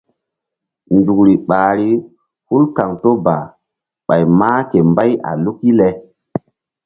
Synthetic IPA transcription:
ndu˨kɾi˨ɓaː˨ɾi˦ | hu˦lka˨ŋto˦ba˨ | ɓa˨jmaː˦ke˨mba˦ja̰˨lu˦ki˦le˨

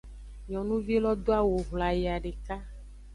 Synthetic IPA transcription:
ɲɔ̃˨nũ˦vi˦lɔ˦d̪o˦a˦wo˨ɦla˨je˨a˨ɖe˨ka˦

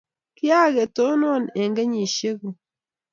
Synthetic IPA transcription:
kɪ˦a˦ke˨to˦nɔ˦˨ne˨ŋɡe˦ɲi˨ʃe˦ko˨

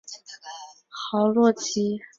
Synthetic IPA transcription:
xɑ˧˥ʊlwɔ˥˩t͡ɕʰi˥

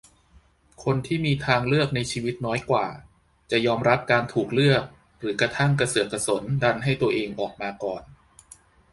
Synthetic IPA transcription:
kʰo˧nt̪ʰiː˥˩miː˧t̪ʰaː˧ŋlɯ˥˩ək̚na˧jt͡ɕʰiː˧wi˦˥t̪̚nɔː˦˥jkwa̰ː˨˩ | t͡ɕa˨˩jɔː˧mɾa˦˥p̚kaː˧nt̪ʰuː˨˩k̚lɯ˥˩ək̚ | ɾɯː˩˦kɾa˧t̪ʰa˥˩ŋka˧sɯ˨˩əkʰːa˧so˩˦nda˧nɦa˥˩jt̪u˧ɐʔeː˧ŋʔɔː˨˩k̚maː˧kɔː˨˩n

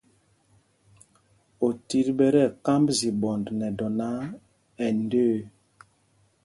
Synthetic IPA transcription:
o˨ti˦ɾbɛ˦ɾɛ˦˨ka˦mbzi˨bɔ˨ndnɛ˨dɔ˨na˦ | ɛ˨ndøː˦˨

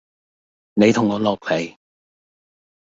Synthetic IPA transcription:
ne˨˧jt̪ʰʊ˨˩ŋːɔː˨˧˥lɔː˨p̚he˨˥j

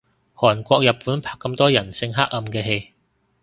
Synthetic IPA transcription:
hɔː˨˩nkʷɔː˧k̚jɐ˨˩p̚pːuː˨˥npʰaː˨kːɐ˧mt̪ɔː˥jɐ˨˩nsɪ˧ŋɦaː˥k̚ɐ˧mkɛː˧ɦe˧j

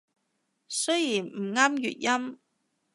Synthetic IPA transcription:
sɵ˥ɥjiː˨˩nm̩˨˩ŋaː˥mjy̰ː˨t̚jɐ˥m

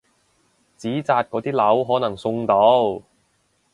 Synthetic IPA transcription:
t͡siː˨˥t͡saː˧t̚kɔː˨˧˥t̪iː˥lɐ˨˥wɦɔː˨˥nɐ˨˩ŋsʊ˧ŋt̪o˨˥w

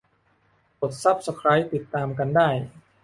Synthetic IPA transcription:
po˨˩t̪̚sa˦˥˩p̚sa˧kʰɾaː˦˥jt̪i˨˩t̪ːaː˧mka˧ndaː˥˩j

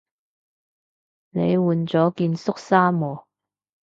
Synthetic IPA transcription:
ne˨˧jwuː˨˩nt͡sɔː˨˥kiː˧nsʊ˥k̚saː˥mɔː˨˩

